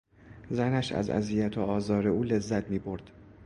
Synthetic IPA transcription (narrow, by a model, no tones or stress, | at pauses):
zænæʃæ̰zæ̰ziːjæt̪ʰoɒːzɒːɾeuːle̞zːæt̪ʰmiːbo̞ɾd̪̥